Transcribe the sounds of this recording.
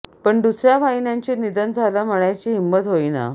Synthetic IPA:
pəɳd̪usɾjaʋʱaɦinjaɲt͡ɕiːnid̪ənd͡zʱalaməɭjat͡ɕiːɦimːət̪ɦoina̰

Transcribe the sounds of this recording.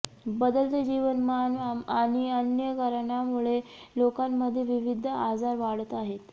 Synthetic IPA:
bəd̪əlt̪əd͡ʑiʋənmanʋaaɽ̃iənjəkəɾɳjamuɭelokamːəd̪ʱːjeʋiʋid̪ʱəad͡zaɾʋaɽ̤ət̪aɦet̪

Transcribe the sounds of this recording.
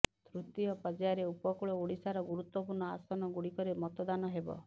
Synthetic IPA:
t̪ɾut̪iɔpɔd͡ʒaɾeupɔkuɭɔuɽisaɾɔɡuɾut̪wɔpuɾɳɔasɔnɔɡuɽikɔɾemɔt̪ɔd̪anɔɦebɔ̰

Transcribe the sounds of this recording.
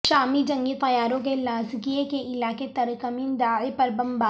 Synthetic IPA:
ʃaːmid͡ʒɐ̃ŋɡit̪ɐjaːɾõk̬elaːzkijekeʔɪlaːket̪ɐɾkəmiːnd̪aːepɐɾbɐ̃mbaː

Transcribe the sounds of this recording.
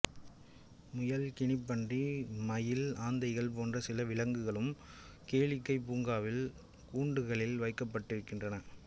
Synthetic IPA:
mʊjɐlkɪɳɪpːɐɳdimɐjɪlaːnd̪ɐɪɣɐɭp̬oːndrɐsɪlɐʋɪlɐŋɡɯɣɐɭɯm | keːɻɪkːɐɪpːuːŋɡaːʋɪl | kuːɳɖɯɣɐɭɪlʋɐɪkːɐpːɐʈːɪɾɯkːɪndrɐnɐ

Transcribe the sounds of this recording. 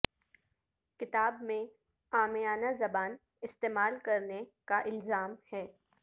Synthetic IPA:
kɪt̪aːbmẽ | aːmejaːnazɐbaːn | ɪst̪eːmaːlkɐɾnekaʔɪlzaːmhɛː

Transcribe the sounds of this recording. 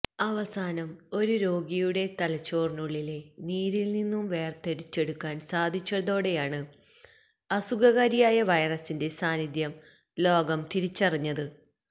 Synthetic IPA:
ɐʋɐsaːnɐmo̞ɾuɾo̞ːɡijuɽe̞t̪ɐlɐt͡ɕːo̞ːrnuɭːile̞niːɾilninːumʋe̞ːrt̪eɾit͡ɕːe̞ɽukːaːnsaːd̪ʱit͡ɕːɐðo̞ːɽe̞jaːɳɨ | ɐsuɡɐɣɐɾijaːjɐʋɐjɐrɐsinde̞saːnid̪jɐm | lo̞ːɡɐmt̪iɾit͡ɕːɐriɲːɐðɨ

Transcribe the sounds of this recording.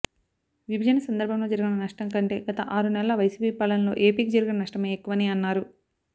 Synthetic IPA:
ʋibʱɐd͡ʒɐnɐsɐnd̪ɐɾbʱɐmlo̞ːd͡ʒɐɾuɡinɐnɐʂʈɐŋkɐɳʈe̞ːɡɐt̪ɐʔaːɾunɛlɐʋɐjsiːpiːpɐlɐnlo̞̰ːʔe̞ːpiːkid͡ʒɐɾuɡinɐnɐʂʈɐmeːekːuʋɐniːɐnːaːɾu

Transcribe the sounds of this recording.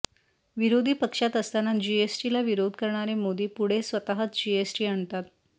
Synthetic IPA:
ʋiɾod̪ʱiːpəkʂat̪əst̪anad͡ʑiesʈilaʋiɾod̪ʱkəɾɳaɾemod̪ʱepuɽ̤esʋət̪aɦət͡s̪d͡ʑiesʈiːaɳt̪at̪̚

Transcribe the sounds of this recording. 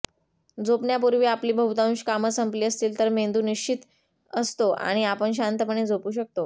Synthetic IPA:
d͡zopɳjapuɾʋiːapliːbʱəɦut̪aũɕkaməsəmpliːəst̪iːlt̪əɾmend̪uːniɕt͡ɕʰit̪ | əst̪oʔa̰ɽ̃iapəɳɕ̬ant̪əpəɳed͡zopuːɕək̚t̪o

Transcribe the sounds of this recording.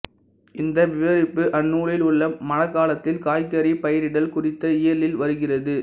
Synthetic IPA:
ɪnd̪ɐʋɪʋɐɾɪpːɯʔɐnːuːɾɪlʊɭːɐːɐnɐkːaːlɐt̪ːɪlkaːjkɐɾipɐjɐɾɪɽɐlkʊrɪt̪ːɐɪjɐlɪlʋɐɾɯɣɪrɐðɯ

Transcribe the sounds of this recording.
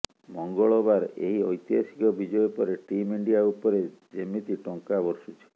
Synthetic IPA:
mɔŋɡɔɭɔbaɾḛɦiɔjt̪jasi̥kɔbid͡ʒɔjɔpɔɾeʈimiɳɖijaupɔɾed͡ʒemit̪iʈɔŋkabɔɾʃut͡ʃʰe̥

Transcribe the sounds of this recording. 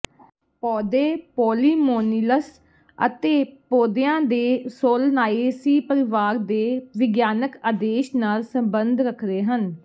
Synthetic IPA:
pɔːd̪eːpoːliːmoːniləs | ə̰t̪eːpoːd̪ɪjãːd̪eːsoːlnaːeːsiːpəɾɪʋaːɾd̪eːʋɪɡjaːnəkaːd̪eːʃnaːlsəmbənd̪ɾəkʰɾeːɦən

